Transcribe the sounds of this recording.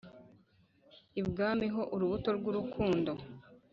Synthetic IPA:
ibɡaːmiɦo̞ʔuɾuβuto̞ɾɡuɾukʰuːndo̞

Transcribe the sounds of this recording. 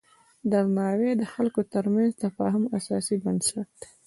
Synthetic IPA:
d̪aɾnɑwed̪əxalkot̪əɾmanzt̪afɑ̰ɦʊmasɑsibansaʈ

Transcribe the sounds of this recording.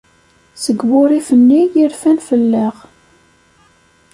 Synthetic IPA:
səɡwʊɾifənːijiɾfænfəlːeʁ

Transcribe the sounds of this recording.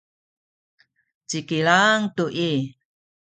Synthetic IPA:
t͡ʃikilaŋtuʔi

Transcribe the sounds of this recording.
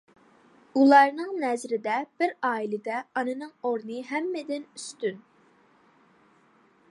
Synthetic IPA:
ulˠɑɾnɨŋnɛzɾɪd̪ɛb̥ɪɾɑːilɪd̪ɛɑnɨnɨŋoɾnɨɦɛmːɛd̪ɪnyst̪yn

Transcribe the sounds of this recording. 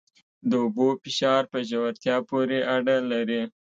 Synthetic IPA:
d̪əʊbofɪʃɑɾpəʒawaɾt̪jɑpoɾeʔaɖalaɾi

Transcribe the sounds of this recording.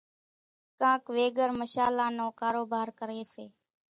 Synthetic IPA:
kãːkʋeːɡəɾməʃaːlaːnõːkaːɾoːbaːɾkəɾeːseː

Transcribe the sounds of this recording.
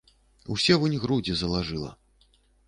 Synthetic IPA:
ṵsʲɛvunʲɣɾud͡zʲizɐlˠaʐɨlˠɐ̰

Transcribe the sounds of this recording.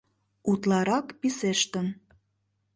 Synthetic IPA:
ut̪lɑɾɑkpiseʃt̪ə̆n

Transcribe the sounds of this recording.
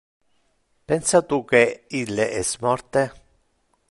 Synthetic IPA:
pɛnsat̪uk̟eilːeʔɛsmɔrt̪e

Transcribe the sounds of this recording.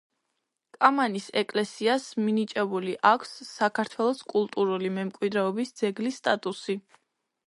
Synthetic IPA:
kʼamanisɛkʼlɛsiasminit͡ʃʼɛbuliʔakʷʰsːakʰaɾt̪ʰwɛlˠɔskʼulˠt̪ʼuɾulimɛmkʼwid̪ɾɛɔbisd̪z̥ɛɡlisːt̪ʼat̪ʼusi

